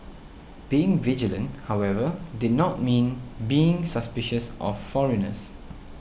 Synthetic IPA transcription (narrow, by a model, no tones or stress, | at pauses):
b̥iɪ̃ŋvid͡ʒələ̃nthawɛvədɪd̚ⁿnɔt̚mĩnbiɪ̃ŋsəspɪʃəsʔɔffɔɹɛnə̰s